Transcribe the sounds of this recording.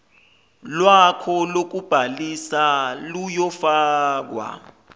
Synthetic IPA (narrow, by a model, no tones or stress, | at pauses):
lwakʰɔlok̬ub̥ʱalisalujɔfaːk̬wa̰